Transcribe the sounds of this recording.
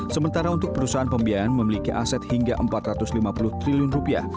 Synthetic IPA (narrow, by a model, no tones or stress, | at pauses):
səmənt̪aɾaunt̪ʊk̚pəɾusaɦanpəmbiaɾanməmilikiʔa̰sɛt̪̚hiŋɡaʔəmpat̪rat̪ʊslimapulʊht̪ɾiliʊnrupia̰h